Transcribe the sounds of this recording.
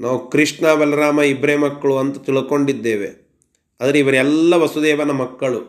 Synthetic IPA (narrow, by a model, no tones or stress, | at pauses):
naːʋukɾiʂʈɳaːʋɐlɐɾaːmɐibɾeːmɐkːɐɭuɐnt̪ɐt̪iɭɐko̞ɳɖid̪ːeːʋe̞̰ | ɐːd̪ɐɾeiʋɐɾɛlːɐʋɐsud̪ɛːʋɐnɐmɐkːɐɭu